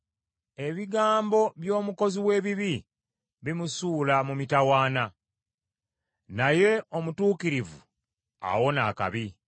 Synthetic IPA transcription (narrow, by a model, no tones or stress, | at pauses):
e̞βiɡaːmbo̞βjo̞ːmuko̞ziwe̞ːβiβi | βimusuːlamumitawaːna | naje̞o̞mutuːkiɾivu | a̰wo̞naːka̰βi